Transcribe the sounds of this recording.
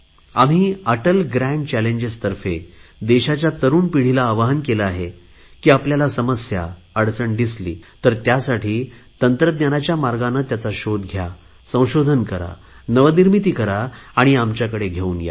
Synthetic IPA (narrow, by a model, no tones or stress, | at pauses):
am̤iːəʈəlɡɾæ̃ɳɖt͡ɕæleɲd͡ʑest̪əɾfed̪eɕat͡ɕjat̪əɾuːnpiɽ̤ilaːʋaɦənkelaːɦe | kiːapljalasəməsja̰ | əɽsəɳd̪islḭːt̪əɾt̪jasaʈʰiːt̪ənt̪ɾəd̪njanat͡ɕjamaɾɡanːət̪jat͡saɕod̪ɡʱja | sə̃w̃ɕod̪ʱənkəɾa̰ | nəʋəniɾmit̪iːkəɾaːɽ̃iamt͡ɕjakəɽeɡʱeuːnja̰